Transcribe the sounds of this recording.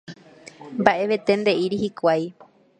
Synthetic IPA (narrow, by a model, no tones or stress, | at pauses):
mbaʔe̞ʋe̞t̪e̞nd̪e̞ʔiɾihikʷaj